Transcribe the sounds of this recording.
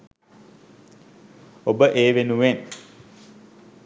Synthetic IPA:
obəʔeːʋenuʋen

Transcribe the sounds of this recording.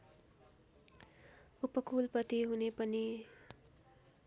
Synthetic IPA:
upʌkulpʌt̪iɦunepʌni

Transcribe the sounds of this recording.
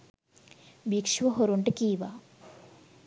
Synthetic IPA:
bikʂʋɐɦoɾuɳʈɨkiːʋa

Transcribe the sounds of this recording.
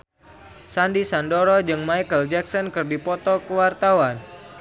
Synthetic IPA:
sandisandɔɾɔd͡ʒɨŋmaikəld͡ʒɛksɔnkərdipɔt̪ɔkəwart̪awan

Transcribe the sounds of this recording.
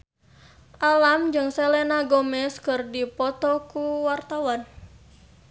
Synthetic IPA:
ʔalamd͡ʒɨŋselenaɡɔmɛskɨrdipɔt̪ɔkuwart̪awan

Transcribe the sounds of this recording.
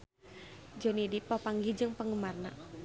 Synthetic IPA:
d͡ʒonidipɔpaŋɡid͡ʒɨŋpəŋɡəmarna̰

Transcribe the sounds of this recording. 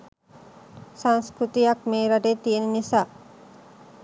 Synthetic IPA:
saŋskɾut̪ijɐkmeːɾaɖeːt̪ienenisaː

